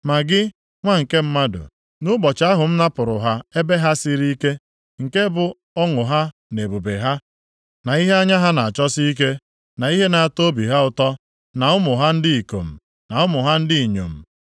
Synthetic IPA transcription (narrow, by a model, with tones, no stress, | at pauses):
ma˨ɡɪ˦ | ŋʷa˦ŋ̩˨ke˦m̩˦ma˦dʊ̰˨ | nʊ˦ɡ͡bɔ˨t͡ʃa˦ɦʊ˨m̩˦na˦pʊ˨ɾʊ˨ɦa˦e˦be˦ɦa˦si˦ɾi˦i˦ke˦ | ŋ̩˨ke˦bʊ˨ | ɔ˦ŋʊ˨ɦa˦ | ne˨bo˨be˨ɦa˦ | na˨i˦ɦe˦a˦ɲa˦ɦa˦na˨a˨t͡ʃɔ˦si˦i˦k̬e˦ | na˨i˦ɦe˦na˨a˨to˦bi˨ɦa˦ʊ˨tɔ˦ | na˨ʊ˦mʊ˨ɦa˦n̩˦dɪ˦i˨ko̰˨m̩˨ | na˨ʊ˦mʊ˨ɦa˦n̩˦dɪ˦i˨ɲo̰˨m̩˨